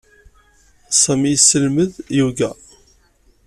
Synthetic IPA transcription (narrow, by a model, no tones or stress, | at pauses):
sˤæmisːəlməðjuɡæ